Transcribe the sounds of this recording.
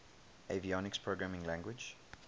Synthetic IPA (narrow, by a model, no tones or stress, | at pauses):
eviɔnɪkspʰɹoɡɹamɪ̃ŋlæ̃ŋɡwɪd͡ʒ